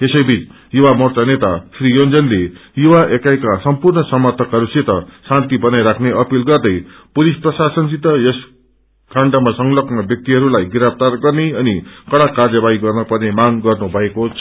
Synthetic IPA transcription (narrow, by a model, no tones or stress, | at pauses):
esʌjbʱit͡s | juwamʌrt͡sanet̪asrijond͡zʌnlejuwaʔekajkasʌmpurnʌsʌmʌrt̪ʰʌkɦʌɾuset̪ʌsant̪ibʌnajɾakʰneʔʌpilɡʌrd̪ʌjpulisprʌsasʌnsit̪ːʌjʌs | kaɳɖamasʌŋlʌknʌbjʌk̚t̪iɦʌɾulajɡiɾap̚ʰt̪arɡʌrneʌnikʌɽakarjʌbaiɡʌrnʌpʌrnemaŋɡʌrnubʱʌekot͡sʰ